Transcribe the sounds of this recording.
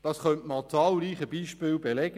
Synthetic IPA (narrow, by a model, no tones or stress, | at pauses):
d̥ɑsχœntmɑt͡sɑːlɾiːχəbiːʃpɪːlbelɛɡ